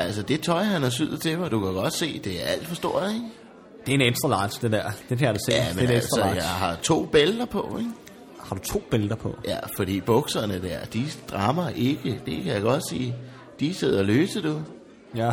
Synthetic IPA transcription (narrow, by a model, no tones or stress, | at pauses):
ʔæl̰səd̥e̝t͡sʰɒ̽ɪɦænɒsyð̰ˠt͡sʰe̝mad̥ukʰæɡ̥ɒ̽d̥se̝̰ːd̥e̝æɐæl̰d̥fɒ̽sd̥o̝ɐ̰ðˠeŋ | d̥e̝ened̥sʁɐlɑ̈ɪd̥sd̥edæɐ̰d̥ekʰæjadæsḛæːmenesdsʁəjɑ̈ɦɑ̈t͡sʰo̝̰ːb̥eld̥ɐpʰɒ̽eŋ | hɑ̈d̥ut͡sʰo̝̰ːb̥eld̥ɐpʰɒ̽jæfɒ̽ɾ̥ḭːb̥ɔ̽ɡ̥sɐnəd̥æɐ̰d̥id̥ʁɑ̈mɐʔe̝ɡ̥əd̥e̝kʰæjɑ̈ɡ̥ɒ̽d̥sḭː | d̥ise̝ð̞̰ˠɐløːsəd̥u | jæ